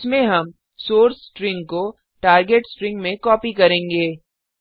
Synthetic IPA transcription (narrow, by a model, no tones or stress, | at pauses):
smẽɦɐm | soːɾsʈɾɪ̃ŋɡko | ʈaːɾɡeːʈsʈɾɪ̃ŋɡmẽkɔːpikɐɾẽːŋɡeː